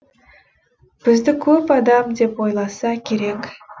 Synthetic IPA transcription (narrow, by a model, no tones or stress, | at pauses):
b̥ɪzd̪ɪkʲʰɵpɑd̪ɑmd̪e̞pwo̞jlˠɑsɑkʲʰe̞ɾe̞k